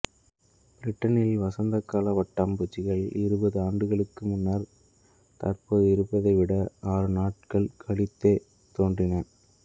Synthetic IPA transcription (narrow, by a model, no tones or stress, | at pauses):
b̥ɪɾɪʈːɐnɪlʋɐsɐnd̪ɐkːaːlɐʋɐʈːɐmbut͡ʃːɪɣɐɭɪɾɯbɐðɯaːɳɖɯɣɐɭɯkːɯmʊnːɐɾ | t̪ɐrpoːðɯɪɾɯpːɐðɐɪʋɪɽɐaːɾɯnaːʈ̚kɐɭkʰɐɭɪt̪ːeː | t̪oːndrɪnɐɾ